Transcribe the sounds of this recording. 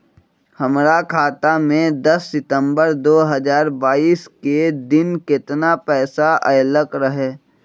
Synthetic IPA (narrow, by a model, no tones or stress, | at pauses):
hɐmɾakʰaːt̪amẽd̪ɐsːɪt̪ə̃mbəɾd̪oːɦɐzaːɾbaːiːsked̪ɪnkɪt̪napɛːsaʔɐːləkɾəɦɛː